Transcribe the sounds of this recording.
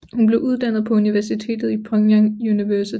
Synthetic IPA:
hunb̥le̝ʊʔuð̞ˠd̥æn̰ð̞̩ˠpʰɒ̽uniʋæɐsit͡sʰe̝̰ːd̥ð̩ˠipʰʁɒŋjɑŋuniʋæɐsi

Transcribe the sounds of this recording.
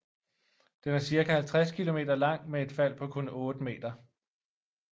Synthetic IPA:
d̥enæɐsiɐkʰæhælt͡sʰʁaskʰilo̝me̝̰ːd̥ɐlɑ̈ŋ̰mee̝d̥fæl̰pʰɒ̽kʰɔnɔ̽ːd̥əme̝̰ːd̥ɐ

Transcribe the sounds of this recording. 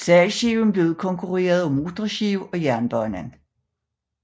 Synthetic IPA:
sɛlɕeʊn̩b̥le̝ːʊð̩ˠkʰɒ̽ŋkʰuʁḛːɐð̞̩ˠɒmot͡sʁɐɕeʊɒ̽jæɐnb̥ɒnæn

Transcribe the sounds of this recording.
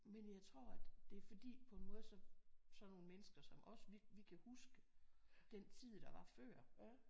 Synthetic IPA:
menjɑ̈ɪt͡sʰʁo̝ɐ̰æd̥d̥e̝ɐfɒ̽d̥ḭːpʰɒ̽e̝nmɔ̽ːð̞̩ˠsɒ̽sɒ̽no̝ːnəmenəsɡ̥ɐsɒ̽mʔɒ̽sʋiʋikʰæhusɡ̥əd̥ent͡sʰið̞̰ˠd̥ɑ̈ʋɑ̈fɶɐ̰

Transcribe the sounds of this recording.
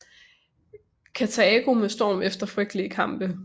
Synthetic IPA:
kʰæt͡sʰæeːɡ̥omesd̥ɒ̰ːmefd̥ɐfʁœɡ̥d̥əlikʰɑ̈m̰b̥ə

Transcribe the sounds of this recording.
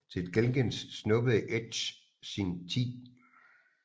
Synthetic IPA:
t͡sʰe̝d̥ɡ̥elŋɡ̥ensːnɔ̽b̥əð̩ˠəʔed̥ɕ | sint͡sʰḭː

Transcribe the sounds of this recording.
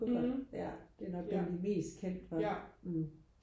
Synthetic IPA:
jæd̥e̝nɒ̽ɡ̥b̥ænlime̝̰ːsd̥̚kʰen̰d̥ʋɑ

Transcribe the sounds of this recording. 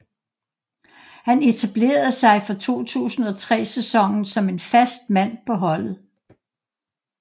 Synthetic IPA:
hæne̝t͡sʰæb̥le̝̰ːɐð̩ˠsɑ̈ɪfɒ̽t͡sʰo̝̰ːt͡sʰṵːsn̩ˠɒ̽t͡sʰʁɛ̰ːsesɒ̽ŋ̰n̩sɒ̽me̝nfæsd̥̚mæn̰pʰɒ̽ɦɒ̽l̰ð̩ˠ

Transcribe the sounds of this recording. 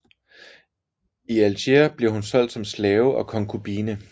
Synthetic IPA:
iælɕeɐb̥leɐhunsɒ̽l̰d̥sɒ̽mslɛːʊʔɒ̽kʰɒ̽ŋkʰub̥iːnə

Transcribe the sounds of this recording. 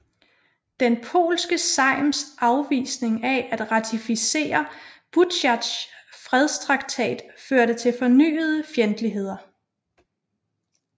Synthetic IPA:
d̥enpʰo̝̰ːlsɡ̥əsɑ̈ɪmsʔɑ̈ʊʋḭːsne̝ŋæʔæd̥ʁɑ̈t͡sʰifise̝̰ːɐb̥ud̥ɕɑd̥sfʁɛð̞ˠst͡sʰʁɑ̈ɡ̥t͡sʰɛ̰ːd̥føɐɾət͡sʰe̝lfɒ̽ny̰ːð̞ˠəfjend̥əliɦe̝ð̞̰ˠɐ

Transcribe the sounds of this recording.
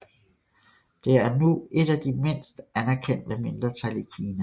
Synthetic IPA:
d̥e̝æɐnuʔe̝d̥æd̥ime̝n̰sd̥ænæɐkʰen̰d̥əme̝nd̥ʁɐt͡sʰæl̰ikʰiːnæ

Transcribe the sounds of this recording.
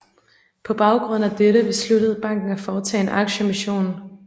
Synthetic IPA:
pʰɒ̽b̥ɑ̈ʊɡ̥ʁɔ̽n̰̩æd̥eɾəb̥e̝sluɾəð̩ˠb̥ɑ̈ŋ̰ɡ̥n̩æfɒːt͡sʰɛ̰ːenʔɑ̈ɡ̥ɕəmiɕo̝̰ːn

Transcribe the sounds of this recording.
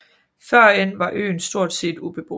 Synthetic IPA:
fɶɐ̰enʋɑ̈ʔø̰ːn̩sd̥o̝ɐ̰d̥sḛːd̥ub̥e̝b̥o

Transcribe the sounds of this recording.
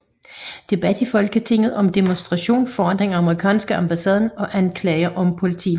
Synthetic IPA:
d̥e̝b̥æd̥ifɒ̽lɡ̥ət͡sʰe̝ŋ̰ð̩ˠɒ̽md̥emonsd̥ʁɑ̈ɕo̝̰ːnfɒːd̥ʁeŋɑ̈məʁikʰɛ̰ːnsɡ̥əɑ̈mb̥æsɛːð̞ˠn̩ɒ̽ʔænkʰlɛːɪɐʔɒ̽mpʰo̝lit͡sʰḭː

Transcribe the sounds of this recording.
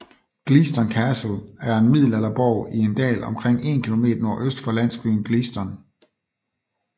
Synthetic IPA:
ɡ̥liːsd̥ɒnkʰæsl̩æɐe̝nmið̰ˠl̩ælɐb̥ɒʊ̰ie̝nd̥ɛ̰ːlɒ̽mkʰʁeŋ̰e̝̰nkʰilo̝me̝̰ːd̥ɐno̝ɐ̰ʔøsd̥fɒ̽læn̰sɡ̥ʁḭːnɡ̥lisd̥ɒn

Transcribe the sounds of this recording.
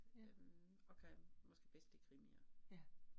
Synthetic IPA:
ømɒkʰæmɒ̽sɡ̥e̝b̥esd̥d̥e̝kʰʁimiɐ

